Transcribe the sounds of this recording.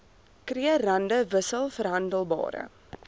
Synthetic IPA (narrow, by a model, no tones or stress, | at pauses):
kriərɐndəvəsəlˠfərɦɐndəlˠbɑ̰ːɾə̰